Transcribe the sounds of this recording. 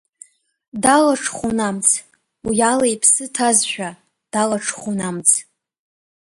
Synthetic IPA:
dalaʈ͡ʂʰχʷonamt͡sʰ | ujalajpʰsɨtʰazʃᶣa | d̥alaʈ͡ʂʰχʷonamt͡sʰ

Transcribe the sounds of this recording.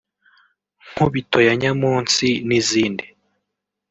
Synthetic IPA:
ŋ̥huβitʰojaɲamuːnsiniziːndi

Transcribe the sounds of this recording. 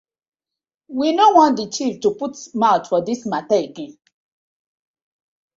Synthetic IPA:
winowɔ̃n̚dət͡ʃiftuputmaʊtfɔdismataeɡɛ̃n

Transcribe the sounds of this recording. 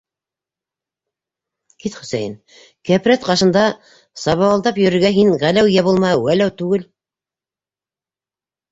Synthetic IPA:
kit̪χɵ̆sæjɘn | kæpɾæt̪qɑʃɤ̆nd̪ɑ | sɑβɑwɑlˠd̪ɑpjɵ̆ɾɘ̆ɾɡæɦinʁælæwjæβulˠmɑɤwælæwt̪ʉɡɘl

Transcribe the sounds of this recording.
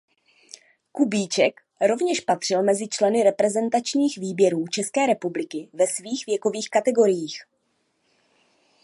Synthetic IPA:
kubiːt͡ʃɛk | ɾo̞vɲɛʃpat̪r̝̥ɪlmɛzɪt͡ʃlɛnɪɾɛpɾɛzɛnt̪at͡ʃɲiːxviːbjɛɾuːt͡ʃɛskɛːɾɛpublɪkɪvɛsviːxvjɛko̞viːxkat̪ɛɡo̞ɾɪjiːx

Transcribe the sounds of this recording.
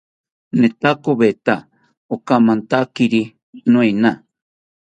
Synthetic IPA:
net̪akoβet̪a | okamãnt̪akiɾi | nũina

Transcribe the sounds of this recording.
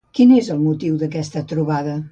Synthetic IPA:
kinezəlˠmut̪iwðəkɛst̪ət̪ɾuβaðə

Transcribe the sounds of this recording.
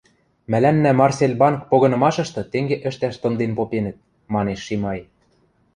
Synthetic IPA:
mælænːæmɑrselʲbɑnk̚poɣɤ̆nɤ̆mɑʃɤ̆ʃt̪ɤ̆t̪eŋɡeʔɘ̆ʃt̪æʃt̪ɤ̆nd̪enpopenə̆t̪̚ | mɑneʃːimɑj

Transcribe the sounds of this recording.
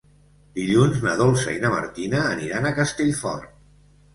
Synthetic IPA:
d̪̥iʎunznəðolˠsəinəmə̰ɾt̪inəːniɾanəkəst̪eʎfɔ̰rt̪

